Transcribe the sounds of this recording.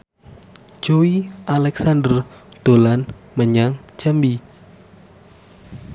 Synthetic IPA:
d͡ʒowiʔalɛksand̪ərd̪̥olanməɲaŋt͡ʃəmbi

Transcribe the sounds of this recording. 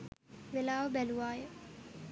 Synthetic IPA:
ʋelaːʋəbæluʋaːjə

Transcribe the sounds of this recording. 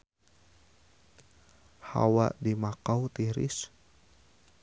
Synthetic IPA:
ha̰wa̰ʔdimakawt̪iɾɪ̰s

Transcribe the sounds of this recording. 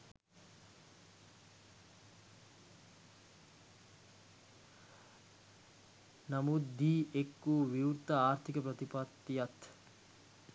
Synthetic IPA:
namut̪̚d̪iːekːuːʋiuɾt̪aaːɾt̪ʰikəpɾɐt̪ipat̪ːijat̪

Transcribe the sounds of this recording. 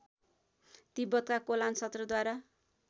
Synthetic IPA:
t̪ibʌt̪kakolansʌt̪rʌd̪waɾa

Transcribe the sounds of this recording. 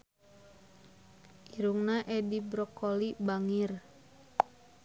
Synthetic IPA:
ʔiɾuŋnaʔɛdibɾɔkɔlibaŋir

